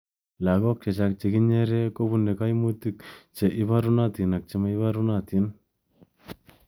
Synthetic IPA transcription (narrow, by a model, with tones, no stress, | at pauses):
la˨kɔ˦k̚t͡ʃɛ˨t͡ʃa˧k̚t͡ʃe˨ki˦ɲɛ˦ɾɛ˦ko˦βu˦nɛ˨ka˦jmu˦t̪i˦k̚t͡ʃɛ˨ʔɪ˦βa˦ɾu˦na˦t̪i˨na˨k̚t͡ʃe˦ma˦ɪ˦βa˦ɾu˦na˨t̪i˨˦n